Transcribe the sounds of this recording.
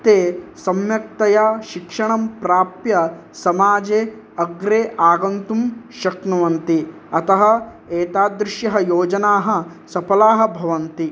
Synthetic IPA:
t̪eːsɐmjɐk̚t̪ɐjaːʃikʂɐɳɐmpɾaːpjɐsɐmaːd͡ʒeː | ɐɡɾeːʔaːɡɐnt̪umʃɐknɐʋɐnt̪i | ɐt̪ɐɦɐ̆ | eːt̪aːd̪ɾɪʃjɐɦɐjoːd͡ʒɐnaːɦɐ̆ | sɐpɐlaːɦɐ̆bʱɐʋɐnt̪i

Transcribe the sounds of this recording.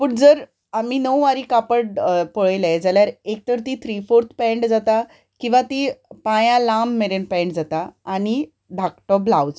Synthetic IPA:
puɳd͡zəɾ | am̤iːnəwʋaɾiːkapəɽpoɭəjlɛd͡zaljaɾek̚t̪əɾt̪iːt̪ʰɾifoɾt̪ʰpɛ̃ɳɖd͡zat̪a | kĩw̃ʋat̪ipãjãlamːeɾenpɛ̃ɳɖd͡zat̪aːñi | d̪ʱak̚ʈɔblawd͡z

